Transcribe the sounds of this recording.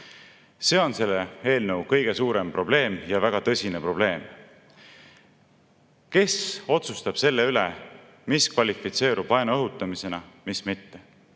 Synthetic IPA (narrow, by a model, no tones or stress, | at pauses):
se̞ːo̞nse̞lːee̞ːlnəwkɤjɡ̥e̞suːɾe̞mpro̞b̥le̞ːmjɑvæɡ̥ɑt̪ɤsʲinepro̞b̥le̞ːm | ke̞so̞t̪sust̪ɑb̥se̞lːeylḛ | miskvɑlʲifit̪se̞ːɾʔub̥ɑjnuɤɦut̪ːˑɑmise̞nɑmismit̪ːe̞